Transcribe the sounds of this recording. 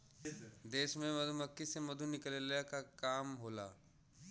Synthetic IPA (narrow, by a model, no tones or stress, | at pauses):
d̪eːʃmẽmɐd̪ʱumɐkːisemɐd̪ʱunɪkəlelkakaːmɦoːlaː